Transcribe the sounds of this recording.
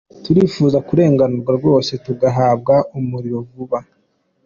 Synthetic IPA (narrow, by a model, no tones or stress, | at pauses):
tuɾiːfuːzakuɾe̞ːŋɡanuɾɡwaɾɡo̞ːse̞tuɡaɦaːb̚ɡaumuɾiɾo̞vuβa